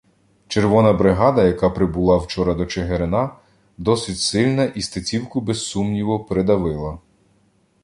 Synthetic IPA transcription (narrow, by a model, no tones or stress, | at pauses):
t͡ʃeɾʋɔnɐbɾɪɦɑd̪ɐjɐkɑpɾɪbʊlˠɑwt͡ʃɔɾɐd̪ɔt͡ʃeɦeɾenɑ | d̪ɔsɪtʲsɪlʲnɐʔist̪ɐt͡sʲiwkʊbɛsːumnʲiʋɔpɾed̪ɐʋɪlˠɐ